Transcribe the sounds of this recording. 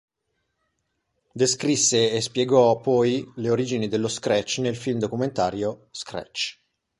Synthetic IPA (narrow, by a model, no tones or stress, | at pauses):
d̪eskɾisːeespjeɡɔpːɔjleoɾiːd͡ʒinid̪elːoskɾɛt͡ʃnelfilmd̪okument̪aːɾjoskɾɛ̰t͡ʃ